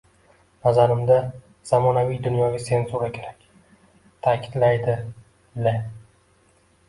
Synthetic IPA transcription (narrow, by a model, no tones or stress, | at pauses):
nazaɾɪmd̪a | z̥amɒnavijd̪ʊnjɒɡʲase̞nsuɾakʲʰe̞ɾakʲ | t̪ʰakʲʰɪd̪lajd̪ɪ | le